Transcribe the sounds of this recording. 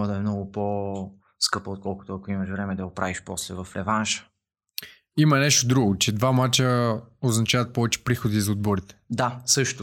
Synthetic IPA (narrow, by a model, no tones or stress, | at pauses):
d̪ɐɛmnɔɡʊpo | skɤpəot̪̚kɔlˠkʊ̥t̪oɐkoimɐʃvɾɛmɛd̪ɐɡʊpɾaviʃpɔslɛvɐfɾɛvanʃə̥ | imɐnɛʃt̪od̪ɾuɡʊt͡ʃɛd̪vamat͡ʃəoznɐt͡ʃavɐt̪̚pɔvɛt͡ʃɛ̥pɾixod̪izɐod̪̚bɔɾit̪ɛ̥d̪asɤʃt̪ʊ